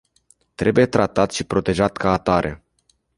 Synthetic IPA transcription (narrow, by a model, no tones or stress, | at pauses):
t̪ɾe̞buje̞t̪ɾat̪at̪ʃipɾo̞t̪e̞ʒat̪kaːt̪aɾʔe̞̰